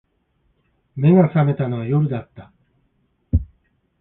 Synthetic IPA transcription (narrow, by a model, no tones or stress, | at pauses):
me̞ɡasame̞t̪ano̞βajo̞ɾɯ̟d̪at̪ːa